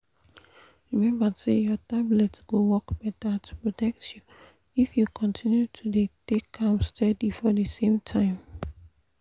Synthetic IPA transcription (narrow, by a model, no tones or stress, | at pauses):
ɹimɛ̃mbasejɔtablɛtsɡ̥owɔkb̥ɛtatʰu̥pɹotɛk̚tju | ifjukʰɔ̃ntʰĩnjutʰudetekʰːãmstɛdifɔdəsẽmtʰãɪ̃m